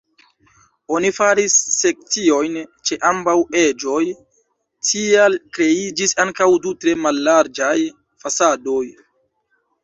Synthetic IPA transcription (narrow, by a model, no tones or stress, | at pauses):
o̞nifaɾisːe̞k̚t͡sio̞jnt͡ʃe̞ʔambawe̞d͡ʒo̞j | tʰialkɾe̞id͡ʒisaŋkawdutɾe̞malːaɾd͡ʒaj | fasado̞j